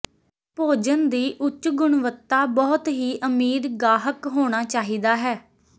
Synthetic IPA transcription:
poːd͡ʒənd̪iːʔʊt͡ʃːɡʊɳʋət̪ːaːbɔːt̪ɦiːʔəmiːɾɡaːɦəkɦoːɽ̃aːt͡ʃaːɦiːd̪aːɦɛː

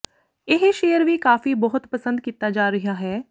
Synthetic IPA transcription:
ɪɦʃeːjəɾbʱikaːfibɐɦʊt̪pɐsə̃nd̪̚kit̪ːad͡ʒaːɾɐɦaɦɛː

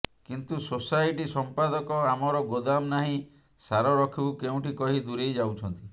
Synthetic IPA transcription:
kint̪usosajʈisɔmpad̪ɔkɔamɔɾɔɡod̪amnaɦĩ | saɾɔɾɔkʰibukeũʈikɔɦid̪uɾejd͡ʒawt͡ʃʰɔnt̪i

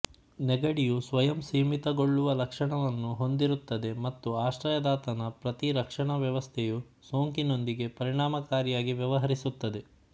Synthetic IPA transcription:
nɛɡɐɽijusʋɐjɐmsiːmit̪ɐɡo̞ɭːuʋɐlɐkʂɐɳɐʋɐnːuɦo̞nd̪iɾut̪ːɐd̪e̞mɐt̪ːuaːʃɾɐjɐd̪aːt̪ɐnɐpɾɐt̪iɾɐkʂɐɳɐʋjɐʋɐst̪ʰeju | soːŋkino̞nd̪iɡe̞pɐɾiɳ̃aːmɐkaːɾjaːɡiʋjɐʋɐɦɐɾisut̪ːɐd̪e̞

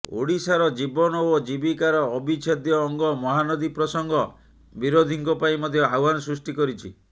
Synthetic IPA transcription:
o̰ɽisaɾɔd͡ʒibɔnɔod͡ʒibikaɾɔːbʱit͡ʃʰɔd̪jɔːŋɡɔmɔɦanɔd̪ipɾɔsɔŋɡʱɔ | biɾod̪ʱiŋkɔpaĩmɔd̪ʱjɔawɦanɔsɾusʈikɔɾit͡ʃʰi

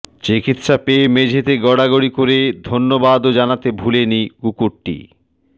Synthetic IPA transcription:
t͡ɕikit̪ʃapemed͡ʑʱet̪eɡɔɽaɡoɽikoɾed̪ʱonːobad̪od͡ʑanat̪ebʱuleniɡukuʈːḭ

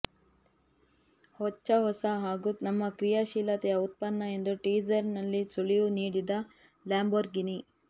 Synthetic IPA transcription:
hɔt͡ʃːɐɦɔsɐɦaːɡunɐmːɐkɾijɐʃiːlɐt̪ɛjɐut̪̚pɐnːɐe̞nd̪uʈiːd͡ʒɐɾnɐlːisuɭijuniːɽid̪ɐ | laːmboɾɡini

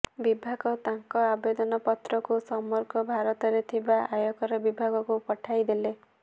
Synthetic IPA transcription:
bibʱaɡɔt̪aŋkɔabed̪ɔnɔpɔt̪ɾɔkusɔmɔɾkɔbʱaɾɔt̪ɔɾet̪ʰibaʔajɔkɔɾɔbibʱaɡɔkupɔʈʰajd̪ele

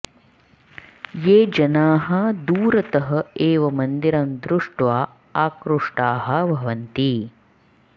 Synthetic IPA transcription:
jeːd͡ʒɐnaːɦɐd̪uːɾɐt̪ɐɦɐ̆eːʋɐmɐnd̪iɾɐmd̪ɾuʂʈʋaː | aːkɾuʂʈaːɦɐ̆bʱɐʋɐnt̪i

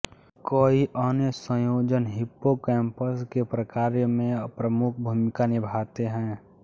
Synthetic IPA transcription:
koːiʔənjəsə̃joːd͡ʒənɦɪpːokɛːmpəskepɾəkaːɾjəmẽpɾəmʊk̚ʰbʱuːmɪkanɪbʱaːt̪eɦɛ̃ː

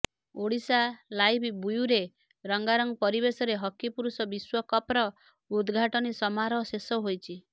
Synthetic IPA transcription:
oɽisalajbbujuɾe | ɾɔŋɡaɾɔŋpɔɾibesɔɾeɦɔkːipuɾusɔbiswɔkɔpɾɔ | ud̪ɡʱaʈɔnisɔmaɾɔsesɔɦojt͡ʃʰi

